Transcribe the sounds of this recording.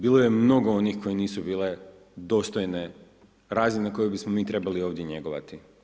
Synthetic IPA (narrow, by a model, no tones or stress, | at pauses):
biːlˠo̞je̞mno̞ɡoonixko̞jeniːsubiːle̞ | d̪o̞ːst̪ojne̞ | ɾaːzineko̞jebismomiːt̪ɾe̞balio̞ːʋd̪je̞ɲe̞ɡoʋa̰t̪i